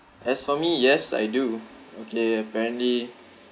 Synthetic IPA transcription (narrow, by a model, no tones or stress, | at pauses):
ʔɛsfɔmijɛsa̰jduokʰeəpɛɹə̃ntli